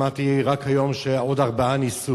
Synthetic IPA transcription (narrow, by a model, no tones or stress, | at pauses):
at̪iʁakhajo̞mʃeodaʁbaanisu